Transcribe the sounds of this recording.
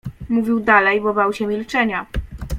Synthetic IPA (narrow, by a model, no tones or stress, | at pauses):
muvʲiwd̪alɛjbɔbawɕɛmʲilt͡ʂɛɲa